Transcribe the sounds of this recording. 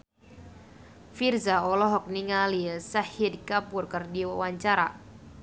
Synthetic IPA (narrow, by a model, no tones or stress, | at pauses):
firzaɔlɔɦɔk̚niŋalisahidkapʊrkɨrdiwawaɲt͡ʃaɾa̰